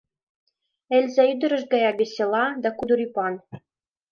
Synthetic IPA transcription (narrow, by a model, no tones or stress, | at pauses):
ɘ̆lʲzæyd̪ɘ̆ɾɘ̆ʃɡɑjɑβʲĕsʲĕlˠɑd̪ækud̪ɤ̆ɾipɑn